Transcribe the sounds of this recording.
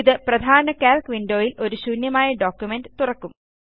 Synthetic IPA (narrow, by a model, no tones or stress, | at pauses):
ðɨprɐd̪ʱaːnɐkaːlkʋinɖo̞ːjilʔo̞ɾuɕuːnjɐmaːjɐɖo̞ːkjumenɖɨt̪urɐkːum